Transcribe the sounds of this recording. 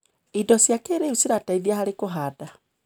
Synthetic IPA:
idɔsjakeɾeusiɾataiðjahaɾekoɦaːda

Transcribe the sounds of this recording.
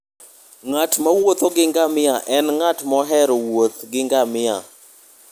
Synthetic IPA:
ŋatmawot̪ɔɡɪŋɡamɪaʔɛnŋatmɔɦɛɾɔwot̪ɡɪŋɡamɪa̰

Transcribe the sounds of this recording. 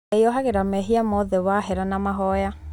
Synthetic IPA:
eɔɦaɣeɾamɛɦiamɔðɛwaɦɛɾanamaɦɔja

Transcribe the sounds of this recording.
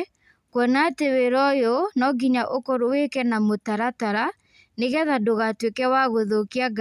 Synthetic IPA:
kwɔnateweɾɔjonɔɡiɲaʔokoɾowekɛnamotaɾataɾa | neɣɛðadoɣatwekɛwaɣoðokiaɡ

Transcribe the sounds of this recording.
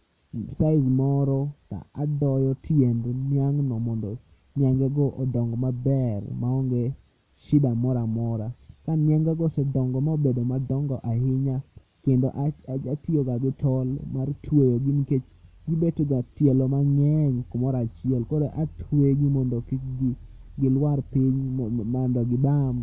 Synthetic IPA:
saɪzmɔɾɔta̰adɔjɔtʰjendnjaŋnɔmɔndɔ | njaŋɡɛɡɔʔɔdɔŋɡɔmabɛrmaɔŋɡe | ʃɪdamɔɾamɔɾakanjaŋɡɛɡɔsɛdɔŋɡɔmaobedomadɔŋɡɔʔahɪɲa | kendoʔaad͡ʒatioɡaɡɪtɔlmartʰwejoɡiniket͡ʃɡibetɡatjɛlomaŋɛɲkomɔɾat͡ʃɪɛlkodeʔatʰweɡimɔndokɡɡɪlwarpɪɲmɔndɔɡɪbam

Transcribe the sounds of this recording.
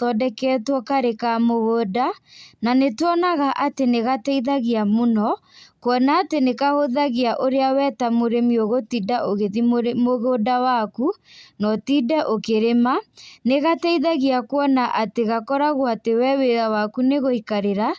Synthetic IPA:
ɔdɛkɛtwɔkaɾekamoɣoːdananetwɔnaɣaʔateneɣatɛiðaɣeamonɔkwɔnaːtenekahoðaɣeaʔoɾeawɛtamoɾemioɣotidaʔoɣeðimmoɣodawakunɔtidɛʔokeɾemaneɣatɛiðaɣeakwɔnaʔateɣakɔɾaɣoatewɛweðawakuneɣoikaɾeɾa

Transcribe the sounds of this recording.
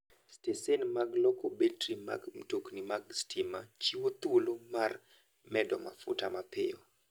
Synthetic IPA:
stesenmaɡlɔkɔbeltrima̰ɡmtoknimaɡstimat͡ʃiwot̪wolomar | mɛdɔma̰fʊ̰tamapɪɔ

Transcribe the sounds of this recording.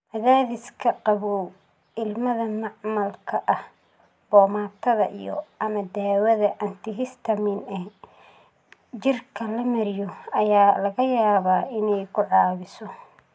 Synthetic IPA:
mɐðaːðɪskʰɐqɑβɔw | ɪlmɐðɐnɑʕmɐlkʰɐʔɐh | b̥ɔːmaːt̪ʰɐðɐʔḭjɔ̰ʔɐmɐd̪aːwɐðɐʔɐnt̪ʰɪɦɪst̪ʰɐmɪnɛ | t͡ʃɪrkʰɐlɐmɐɾɪjɔɐjaːlɐɣɐjaːβaːɪnɛjkʰʊʕɑːβɪsɔ

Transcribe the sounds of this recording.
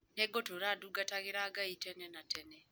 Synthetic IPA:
nɛɡotoɾaduɡataɣɪɾaɡaitɛnɛnatɛnɛ

